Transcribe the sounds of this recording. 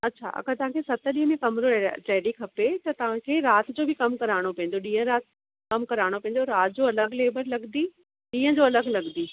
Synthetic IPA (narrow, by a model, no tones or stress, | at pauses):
ɐtːɕʰa̰ʔɐ̰ɡəɾt̪ɐʋɦãkʰesɐt̪ə̆ɗiːɦə̃mẽkɐmɾoʈɛːɖikʰɐpet̪ɐt̪ɐʋ̤ãkʰeːɾaːt̪ʰd͡ʑoːbʱɪkɐmkɐɾaːɽ̃opɐ̃ɪ̃n̆d̪oɗĩːɦə̃ɾaːt̪ | kɐmkɐɾaːɽ̃opɐ̃ɦɪ̃nd̪oɾaːt̪ʰd͡ʑoɐləɡleːbəɾlɐɡ̪d̪iː | ɗĩːɦə̃d͡ʑoːɐləɡlɐɡ̪d̪iː